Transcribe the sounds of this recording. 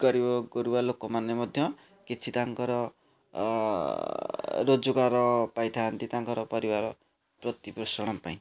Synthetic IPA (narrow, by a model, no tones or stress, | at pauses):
ɡ̥ɔɾibɔɡɔɾubalokomanemɔd̪ʱjʌ | kit͡ʃʰit̪aŋkɔɾɔ | ɾod͡ʒuɡaɾɔpajt̪ʰaːnt̪it̪aŋkɔɾɔpɔɾibaɾɔ | pɾʌt̪ipɾɔsɔɽ̃ɔmpaĩ